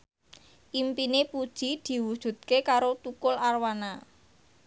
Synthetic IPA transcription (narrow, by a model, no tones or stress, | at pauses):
ʔimpinepud̥ʒ̥id̪̥i̤wud̥ʒ̥ṳt̪̚kekaɾot̪ukʊlarwana